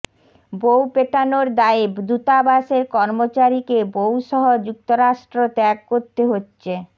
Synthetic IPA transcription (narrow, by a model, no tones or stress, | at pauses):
bowpeʈanoɾd̪aebd̪ut̪abaʃeɾkɔɾmot͡ɕaɾikebowʃɔɦod͡ʑuk̚t̪oɾaʃʈɾot̪ɛkːoɾt̪eɦotːɕʰe